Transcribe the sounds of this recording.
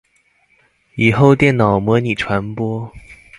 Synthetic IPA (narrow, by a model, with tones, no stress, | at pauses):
i˨˩xo˥˧ʊt̪jɛ˥˩nnɑ˨˩ʊmɔ˧˥ni˨˩ʈ͡ʂʰwa˧˥npwɔ˥